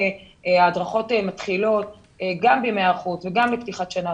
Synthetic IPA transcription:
aːdʁaχo̞tmat̪χilo̞t̚ | ɡambimeaʁχutveɡambipt̪iχatʃana

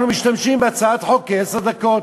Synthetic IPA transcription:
humɪʃt̪amʃiːmbat͡saat̪ħokːesad̪akoːt̪

